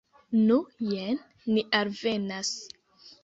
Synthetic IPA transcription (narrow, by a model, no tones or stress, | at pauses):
nujenː | iʔalve̞nas